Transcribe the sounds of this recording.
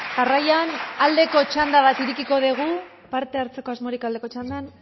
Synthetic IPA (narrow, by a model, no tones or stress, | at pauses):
ɡarajanald̪e̞ko̞t͡ʃand̪aβ̞at̪iɾikiko̞ð̞eɣ̞u | paɾt̪e̞aɾt͡se̞ko̞azmo̞ɾikald̪ekot͡ʃand̪an